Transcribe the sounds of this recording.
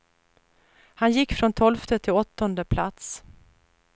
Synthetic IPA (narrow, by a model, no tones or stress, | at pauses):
hanjɪkːfɾɔnt̪ʰɔlft̪ət̪ʰɪlɔt̪ːɔnd̪əpʰlat̪s